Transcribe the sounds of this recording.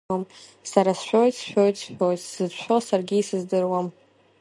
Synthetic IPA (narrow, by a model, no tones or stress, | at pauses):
amsaɾasʃʷᶣojsʃᶣojt͡sʰʃᶣojtsɨzʰħʷᶣosarɡʲiisɨzdɨrwam